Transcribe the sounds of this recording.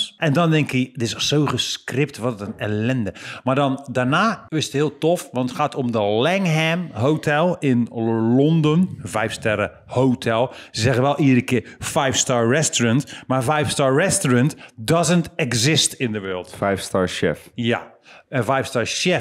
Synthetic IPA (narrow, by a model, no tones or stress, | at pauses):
ʔɛndɔndɛŋkɪdɪssoːχəskrɪp̚tʋɔtətənɛlɛndəmaɹdɔndaɹnaːʋɪsəthɪəlˠtɔfʋɑntətχaːtomdəlɛŋɦɛmɦowtʰɛlˠɪnlɔndənvɛjfstɛɾə | hotʰɛlˠsəzɛɣənʋɛlˠidəɾəkɪfɛjfstaːɹrɛstorəntmaɹvɛjfstaːɹrɛstorəntdɔzəntɛkzɪstɪndəʋøːlˠtfɛjfstaːɹʃɛ̰fja̰ | əvɛjfstaːɹʃɛ